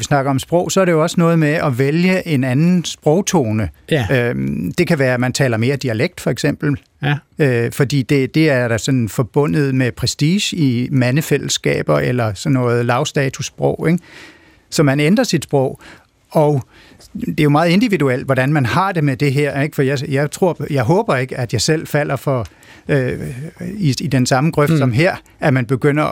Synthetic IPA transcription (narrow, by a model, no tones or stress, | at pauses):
ʋisnɑ̈ɡ̥ɐɒ̽msb̥ʁɔʊ̰sɒ̽æɐɾe̝jo̝ɒ̽sənɔ̽ːð̞̩ˠmeʔɒ̽ʋeljəʔe̝nænn̩sb̥ʁɔ̽ʊt͡sʰoːnəød̥e̝kʰæʋæːɐmænt͡sʰɛ̰ːlɐme̝ːɐd̥iæleɡ̥̚d̥fɒ̽eɡ̥sem̰b̥l̩ | øfɒ̽d̥ḭːd̥e̝d̥e̝æɐd̥æsɒ̽nnfɒ̽b̥ɔ̽n̰ð̞̩ˠmepʰʁɛsd̥iːɕimænəfel̰sɡ̥ɛ̰ːb̥ɐelɐsɒnːɔ̽ːð̩ˠlɑ̈ʊsd̥ɛːt͡sʰusb̥ʁɔʊ̰eɡ̥ | sɒ̽mænend̥ʁɐsid̥sb̥ʁɔʊ̰ | ɒʊ | d̥e̝jo̝mɑ̈ːð̞̩ˠe̝nd̥iʋiduel̰d̥ʋɒɾ̥ænmænhɑ̈d̥e̝med̥e̝ɦeɐ̰eɡ̥fɒdijaɪjɑ̈ɪt͡sʰʁo̝ɐ̰jɑ̈ɪɦɔ̽ːb̥ɐe̝ɡ̥əæd̥jɑ̈ɪsel̰fæl̰ɐfɒ | ø | iid̥ensɑ̈məɡ̥ʁœfd̥sɒ̽mɦeɐ̰ | æmænb̥e̝ɡ̥øn̰ɐ